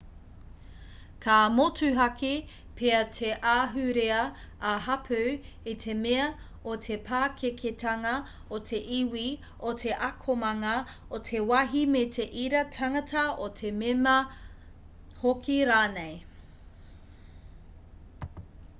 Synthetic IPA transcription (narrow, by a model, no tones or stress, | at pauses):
kʰamotʰʉɦɐki | pʰeɐtʰeʔaːɦʉɾeɐːɦɐpʰʉw | itʰe̞meɐ | otʰepʰaːkʰekʰetʰɐŋɐ | otʰe̞ʔiwi | otʰeʔɐkʰomɐŋɐ | otʰe̞wɐɦimetʰe̞ʔiɾɐtʰɐŋɐtʰɐotʰememɐ | hokʰiɾaːnej